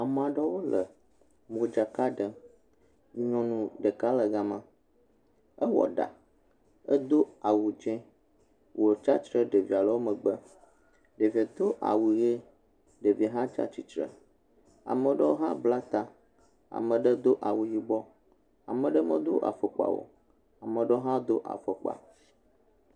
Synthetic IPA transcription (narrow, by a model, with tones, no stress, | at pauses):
a˨m˨a˨ɖɛ˦wo˦lə˨ | mo˨d͡ʒa˨ka˦ɖə˨ | ɲɔ̃˨nũ˨ɖə˨ka˦lə˨ɡa˦mã˦ | ə˦wɔ̰˨ɖa̰˨ | ə˦d̪o˦a˨wu˨d͡ʒɛ̃˦ | wo˨t͡ʃa˦t͡ʃɾə˦ɖe˨vi˨a˨lə˨˦wo˦mə̃˨ɡ͡bə˦ | ɖe˨vi˨a˨t̪o˦ʔa̰˨wu˨ɣe˦ | ɖe˨vi˨ɦã˦t͡ʃa̰˦t͡ɕi˦t͡ʃɾɛ̰˦˨ | a̰˨mə̃˨ɖɛ˦o˦ɦã˦bla˦t̪a˨ | a̰˨mə̃˨ɖɛ˦d̪o˦ʔa˨wu˨ji˨bɔ˦ | a̰˨mɛ̃˨ɖɛ˦mə̃˦d̪o̰˦ʔa̰˨fɛ˨k͡pa̰˨wo̰˨ | a˨mə̃˨ɖɛ˦o˦ɦã˦d̪o˦ʔa̰˨fə˨k͡pa̰˨